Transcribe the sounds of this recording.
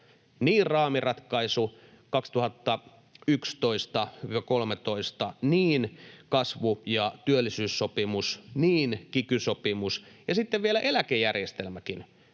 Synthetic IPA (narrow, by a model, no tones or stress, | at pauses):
niːrrɑːmirɑt̪kɑisu | kɑkst̪uhɑt̪ːɑ | ykst̪oist̪ɑʋɑkolmet̪oist̪ɑniːnkɑsʋujɑt̪yølːisyːsːopimusniːnkikysopimusjɑsit̪ːeʋʋielæʔelækejærjest̪elmækin